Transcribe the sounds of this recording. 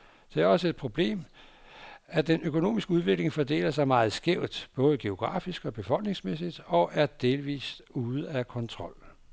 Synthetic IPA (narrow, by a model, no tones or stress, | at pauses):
d̥eæɐɒ̽səed̥̚pʰʁo̝b̥le̝̰ːm | æd̥enøkʰo̝no̝̰ːmisɡ̥əuð̞ˠʋe̝ɡ̥le̝ŋfɒd̥e̝̰ːlɐsɑ̈ɪmɑ̈ːð̞̩ˠsɡ̥eʊ̰d̥b̥ɔ̽ːð̞̩ˠɡ̥e̝o̝ɡ̥ʁɑ̰̈ːfisɡ̥ɒ̽b̥e̝fɒ̽l̰ɡ̥ne̝ŋsmesid̥ɒ̽ʔæɐd̥e̝ːlʋḭːsd̥uːð̞̩ˠækʰɒ̽nt͡sʰʁɒ̽l̰